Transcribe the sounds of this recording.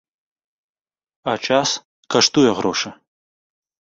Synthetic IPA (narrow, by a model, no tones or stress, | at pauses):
at͡ʃʰʼas | kʰɐʂtʰujɛʁɾʔoʂɐ